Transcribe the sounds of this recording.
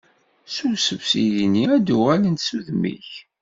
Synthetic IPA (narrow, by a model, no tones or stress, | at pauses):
susəvsiðiniæd̪uʁælənt̪suðmḭç